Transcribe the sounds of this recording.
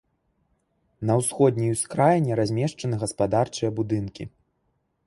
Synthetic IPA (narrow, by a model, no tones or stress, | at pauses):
nɐwsxɔd̪̚ʲnʲijuskɾajnʲɛɾazʲmʲɛʂt͡ʂɐnɨɣɐspad̪art͡ʂɨjɛbud̪ɨnkʲi